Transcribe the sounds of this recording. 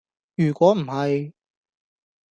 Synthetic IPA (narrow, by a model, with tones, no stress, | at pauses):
jyː˨˩kʷɔː˨˥m̩˨˩hɐ˨j